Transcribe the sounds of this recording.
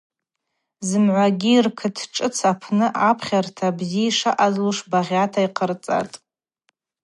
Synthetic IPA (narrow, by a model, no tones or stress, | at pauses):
zɨmʕʷaɡʲiːrkʰɨtʰʈ͡ʂʼɨt͡sʰapʰnɨʔapʰχʲartʰabziiʂaʔazluʂbaʁʲatʰaiqʰərt͡sʼa̰tʼ